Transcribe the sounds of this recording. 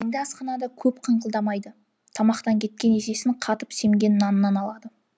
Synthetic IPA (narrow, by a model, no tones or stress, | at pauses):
ɪŋɡ̪ʲɪɑsqɑnɑd̪ɑkʲʰɵpqʰəɴqəlˠd̪ɑmɑjd̪ə | t̪ʰɑmɑqt̪ɑŋkʲʰe̞t̪̚kʲe̞nese̞sɪɴqʰɑt̪əpse̞ŋɡʲe̞nɪnɑnənɑnɑlˠɑd̪ə